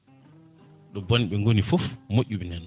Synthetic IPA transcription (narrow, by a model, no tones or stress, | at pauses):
ɗɔboniɓɛŋɡonifofmoʔːuɓɛndɛn